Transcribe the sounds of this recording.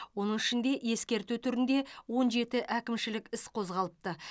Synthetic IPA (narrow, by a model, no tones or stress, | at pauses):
wo̞nəɴɪʃɪnd̪e̞ʔje̞skʲe̞ɾt̪ut̪ʰʏɾɪnd̪e̞wo̞nʒe̞t̪ɪʔækʲɪmʃɪlɪkʲɪsqʰo̞zʁɑlˠəp̚t̪ə